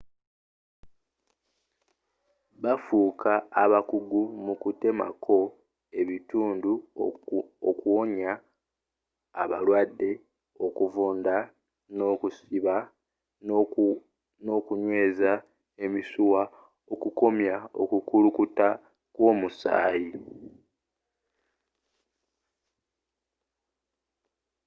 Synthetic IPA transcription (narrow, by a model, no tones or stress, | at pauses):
βafuːkʰaːβakuɡumukute̞ma̰kʰo̞ | e̞βituːndu | okuwoɲa | βalwadːe̞ | o̞kuvuːnda | no̞ːkusiβa | no̞ːkuɲwe̞ːza | e̞misuwa | o̞kuko̞mjao̞̰kukulukuta | kwo̞ːmusa̰ːji